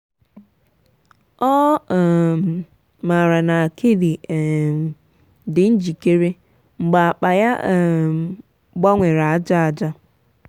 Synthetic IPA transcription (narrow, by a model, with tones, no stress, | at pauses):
ɔ˦˨ | ma˨ɾa˨na˨kʰe˦di˨ | dɪ˨n̩˦d͡ʒi˨ke˦ɾe˦ | ŋ͡m̩˨ɡ͡ba˨a˨k͡pa˨ja˦˨ | ɡ͡ba˦ŋʷe˨ɾa˨a˨˦d͡ʒa˦a˨d͡ʒa˦